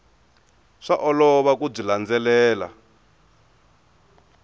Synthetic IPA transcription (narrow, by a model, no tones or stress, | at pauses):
ʂaʔɔlɔβakub͡ʐiland͡zɛlɛːla̰